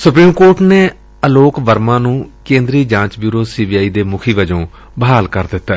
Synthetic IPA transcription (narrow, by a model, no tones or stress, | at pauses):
sʊpɾiːmkoːɾʈneː | əloːkʋəɾmãːnũːkẽːnd̪ɾiːd͡ʒãːt͡ʃbjuːɾoːsiːbiːaːiːd̪eːmʊkʰiːʋəd͡ʒõː | bəɦaːlkəɾd̪ɪt̪ːɛː